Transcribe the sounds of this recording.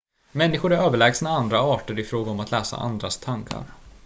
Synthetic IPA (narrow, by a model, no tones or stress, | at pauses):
mɛnːɪɧʊɾæɾøːvəɭɛːɡsnaand̪ɾaɑːʈəɾɪfɾoːɡaɔmat̪lɛːsa̰ʔa̰nd̪ɾast̪ʰaŋkʰa̰ɾ